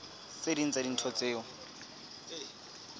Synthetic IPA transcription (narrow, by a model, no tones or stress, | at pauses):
sedint͡sʼadin̩tʰɔt͡sʼeːɔ